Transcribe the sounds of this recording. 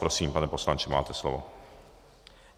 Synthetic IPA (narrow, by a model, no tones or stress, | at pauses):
pɾɔsiːmpanɛposlant͡ʃɛma̰ːt̪ɛslɔ̰vɔ̰